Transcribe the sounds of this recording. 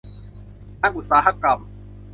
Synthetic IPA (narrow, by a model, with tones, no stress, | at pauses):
a˦ŋu˨saː˨ɦa˦kːa˨m